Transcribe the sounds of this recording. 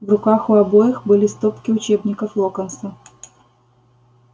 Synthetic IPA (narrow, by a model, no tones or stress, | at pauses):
vrʊkaxʊɐbojɪxbɨlʲɪst̪opkʲɪʊt͡ɕebnʲɪkəflˠokənsɐ